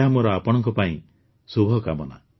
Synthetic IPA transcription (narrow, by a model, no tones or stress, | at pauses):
ɦamɔɾɔapɔɽ̃ɔŋkɔpaĩ | subʱɔkamɔna̰